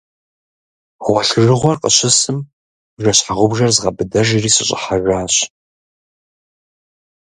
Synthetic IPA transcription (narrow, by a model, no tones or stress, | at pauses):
ʁʷɔɬɨrɨʁʷɔrqʼəɕɪsɨm | rɐɕħaʁʷʊbʒɐrzʁɐbɨdɐʒiriːsɨɕʼɪ̰ħaraːɕ